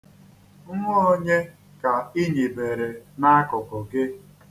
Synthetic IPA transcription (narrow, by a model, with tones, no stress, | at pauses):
ŋ̩˦ŋʷɔ˦ɔ˦ɲe˦ | ka˨i˦ɲi˨be˨ɾe˨na˦kʊ˨kʊ˨ɡɪ˦